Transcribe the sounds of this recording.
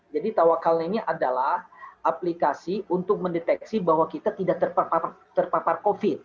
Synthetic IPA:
d͡ʒadit̪awakalnainiʔadalahʔaplikasiunt̪ʊk̚məndet̪ɛksibaɦwakit̪at̪idaʔ̚t̪ərpapa | t̪ərpaparkofɪt̪̚

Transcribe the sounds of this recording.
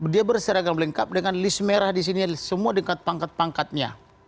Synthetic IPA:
diabərsəɾaɡamləŋkap̚dəŋanlismeɾahdis̬inisəmuadəŋkat̪̚paŋkat̪̚paŋkat̪̚ɲa̰

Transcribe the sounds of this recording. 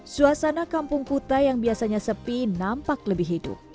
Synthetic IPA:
suasanakampʊŋkut̪ajaŋbiasaɲasəpinampakləbɪɦidʊ̰p

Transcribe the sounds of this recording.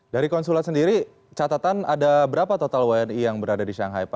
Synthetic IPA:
daɾikɔnsulat̪səndiɾi | t͡ʃat̪at̪anadabəɾapat̪ot̪alwanijaŋbəɾadadiʃaŋɦajpa

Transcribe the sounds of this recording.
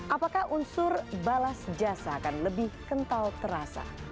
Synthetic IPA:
ʔapakahunsʊrbalasd͡ʒasaːkanləbɪhkənt̪alt̪əɾasa̰

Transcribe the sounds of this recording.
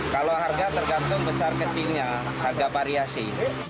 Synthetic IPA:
kaloɦarɡat̪ərɡant̪ʊŋbəsarkət͡ʃilɲa | harɡapaɾiasɪ

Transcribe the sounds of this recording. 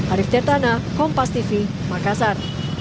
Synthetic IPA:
ʔaɾifd̪ɛrt̪anakɔmpast̪ifi | makasar

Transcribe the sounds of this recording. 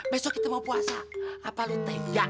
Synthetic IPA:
mɛsokit̪əmapuasaːpalut̪aija

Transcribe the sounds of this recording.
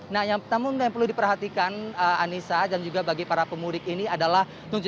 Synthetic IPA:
nahjaŋpət̪amujaŋpərlʊhdipərɦat̪ikanəanisadand͡ʒuɡabaɡipaɾapəmuɾɪk̚iniadalah | t̪uɲt͡ʃ

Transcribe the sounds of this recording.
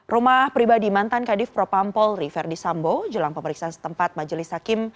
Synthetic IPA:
rumahpɾibadimant̪ankadɪfpɾopampɔlrifɛrdisambod͡ʒəlaŋpəməɾiksaansə̥t̪əmpat̪̚mad͡ʒəlɪshakɪm

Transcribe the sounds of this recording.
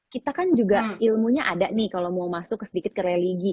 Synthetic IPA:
kit̪akand͡ʒuɡailmuɲaʔadaʔnɪhkalomaumasʊkːəsədikɪt̪̚kəɾɛliɡi

